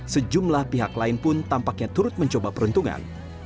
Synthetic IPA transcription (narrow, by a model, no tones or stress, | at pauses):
səd͡ʒumlahpiɦaklaɪnpʊnt̪ampak̚ɲat̪uɾʊt̪̚məɲt͡ʃobapəɾənt̪uŋa̰n